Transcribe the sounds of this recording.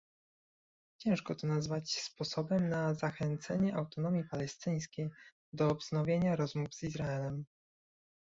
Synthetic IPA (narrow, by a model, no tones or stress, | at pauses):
t͡ɕɛ̃w̃ʂkɔt̪ɔnazvat͡ɕspɔsɔbɛmnazaxɛnt̪sɛɲɛʔawt̪ɔnɔmʲjipalɛst̪ɘj̃skʲej | d̪ɔːbznɔvʲjeɲaɾɔzmuvz̥izɾaɛlɛm